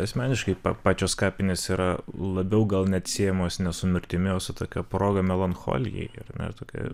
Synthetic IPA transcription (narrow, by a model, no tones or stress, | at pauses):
ɐsʲmʲæːnʲɪʃkɐɪpɑ̰pɑːt͡ʃʲoːskɑːpʲɪnʲeːsiːɾɐlˠɐbʲɛʊɡɐlˠnʲɛɐt̪ʲsʲiɛjɛmoːsnʲɛsʊmʲɪɾʲt̪ʲɪmʲɪoːsʊt̪oːkʲɛproːɡɐmʲɛlˠɐnxo̰ːlʲɪjɛ̰ɪɪ̰rmʲɛ̰t̪oːkʲɛ̰